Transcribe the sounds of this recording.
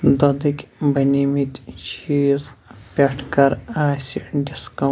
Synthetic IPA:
d̪ɐd̪ikʲbɐnimit̪ʲt͡ʃʰiːzpʲɐʈʰkɐɾaːsiɖiskɐ

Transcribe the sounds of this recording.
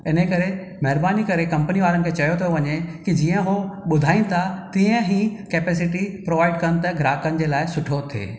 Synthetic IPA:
ɪn̤ekɐɾe | mɐɦɪɾbaːnikɐɾekɐ̃mpəniʋaːɾənɪkʰeːt͡ɕɐjot̪ʰoʋɐɲekid͡ʑiːə̃ɦoɓʊd̪ʱaːĩnt̪ʰat̪iːə̃ɦĩːkeːpeːs̬ɪʈipɾoːʋaːɪɖ̚kɐñ̆t̪ɐɡɾaːkənɪ̆d͡ʑeːlaːɪsʊʈʰot̪ʰḛː

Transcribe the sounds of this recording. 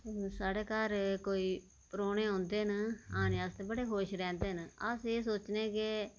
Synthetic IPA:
saːɽeːkaːɾkoːiː | pɾoːneːãːnd̪eːɦənaːnjaːst̪eːbəɽeːɦoːʃɾɛ̃ːnd̪eːɦənəseːsoːt͡ʃnẽːkɪ

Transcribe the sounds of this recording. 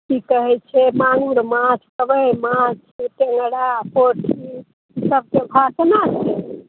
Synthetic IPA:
kikəɦɛt͡ʃʰɛmaŋuɾmãt͡ʃʰkəbəjmãt͡ʃʰɛʈeŋɡɽapoʈʰi | səb̚kebʱasnat͡ʃʰɛ

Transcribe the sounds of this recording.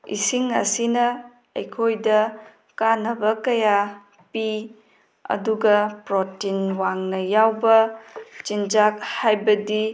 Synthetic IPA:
ḭsiŋɐ̰sinɐ | ɐ̰jkʰojdɐ | kanɐbɐkɐja | pi | ɐ̰duɡɐpɾotinwaŋnɐjawbɐt͡ʃind͡ʒak̚hajbɐdi

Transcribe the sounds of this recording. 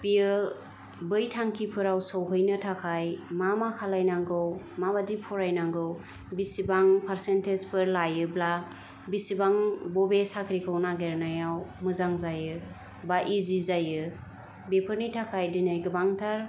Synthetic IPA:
biɯ | bɯjtʰaŋkʰipʰɯɾawsɔwɦɯjnɯtʰakʰajmamakʰalajnaŋɡɯw | mabadipʰɔɾajnaŋɡɯw | bisibaŋpʰaɾsentezpɯɾlajɯbla | bisibaŋbɔbesakʰɾikʰɯwnaɡeɾnajawmɯzaŋzajɯ | baʔizizajɯ | bepʰɯɾnitʰakʰajdinajɡɯbaŋtʰaɾ

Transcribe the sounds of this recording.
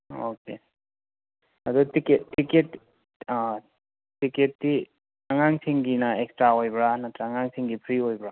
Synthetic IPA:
o̰ke | adutikeːiket | tiketːi | aŋaŋsiŋɡinaekstɾaojbɾanatɾaŋaŋsʰiŋɡipʰɾiojbɾa

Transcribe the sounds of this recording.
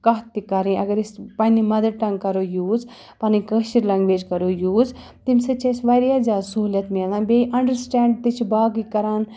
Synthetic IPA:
kɐɦt̪ikɐɾĩɐɡɐɾispɐnimɐd̪ɐɾʈɐ̃ŋɡkɐɾoːjuːz | pɐnĩkɐʃiɾlɐŋɡʋeːd͡ʒkɐɾoːjuːz | t̪imsɐt͡ʃɐsʋɐɾijad͡ʒaːsuɦuljɐt̪meːlãːnbeʔɐɳɖəɾsʈɛ̃ːɳɖ̚t̪it͡ʃʰbaːɡikɐɾaːn

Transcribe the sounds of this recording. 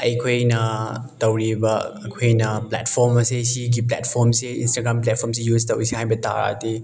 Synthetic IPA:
ɐjkʰojnɐtɐwɾibɐː | kʰojnɐpla̰tpʰoɾmɐsesiɡiplɛ̰tpʰoɾmseinstaɡɾamplɛt̚pʰoɾms̬ijuztɐwɾisehajbɐta̰ɾa̰te

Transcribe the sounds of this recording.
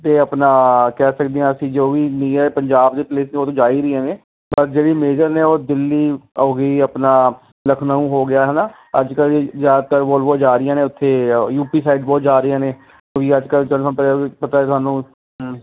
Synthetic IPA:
t̪eːəpnaːkɛːsəkd̪ejãːəsĩːd͡ʒoːʋiːnĩːɛpəɲd͡ʒaːbd̪eːpleːsneːoːt̪õːd͡ʒaːiːɾiːɛ̃ːneː | pəɾd͡ʒeːɽiːmeːd͡ʒəɾneːoːd̪ɪlːiːoːɡəiːəpnaː | ləkʰnaũːɦoːɡɪjaːɦɛːnaː | əd͡ʒkəlzjaːd̪t̪əɾboːlboːd͡ʒaːɾɪjãːnẽːʊt̪ʰːeːjuːpiːsaːɪɖbɔːt̪d͡ʒaːɾɪjãːneː | oːʋiːəd͡ʒkəld͡ʒəãpːpət̪aːeːt̪ʊɦaːnũː

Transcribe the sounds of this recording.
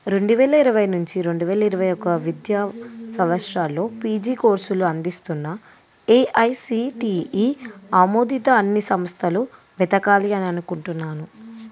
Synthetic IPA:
ɾe̞ɳɖuʋɛːlɐiɾɐʋɐjnuɲt͡ʃiɾe̞ɳɖuʋɛːlɐiɾɐʋɐjɔkːɐʋid̪jaːsɐmʋɐʂɾaːlːo̞ːpiːd͡ʒiːko̞ːɾsuluɐnd̪ist̪unːɐ | eʔɐjsiʈiːiːaːmoːd̪it̪ɐːnːisɐmst̪ʰɐlu | ʋɛt̪ɐkaːliɐniɐnukuɳʈunːaːnu

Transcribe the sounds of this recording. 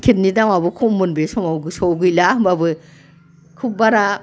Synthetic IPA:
kʰit̚nidaŋabɯkʰɔmːɯnbesɔmawɡɯsɔwɡɯjlambabɯ | kʰup̚baɾa

